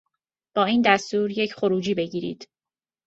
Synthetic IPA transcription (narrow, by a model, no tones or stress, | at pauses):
b̥ɒːiːnd̪æst̪uːɾje̞cʰχo̞ɾuːd͡ʒiːbe̞ɟiːɾḭːd̪̥